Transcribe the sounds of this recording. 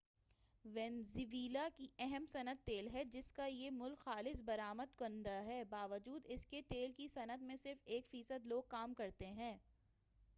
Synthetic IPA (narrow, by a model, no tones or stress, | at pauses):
ʋɛ̃ːnziʋiːlakiɛɦɛmsɐnət̪ːeːlɦɛd͡ʒɪskajemʊlkxaːlɪsbɐɾaːməd̪kʊ̃nd̪aɦɛːbaːʋəd͡ʒuːd̪ɪsket̪eːlkisɐnət̪mẽsɪɾfeːkfiːsəd̪loːɡ̚kaːmkɐɾt̪eɦɛ̃ː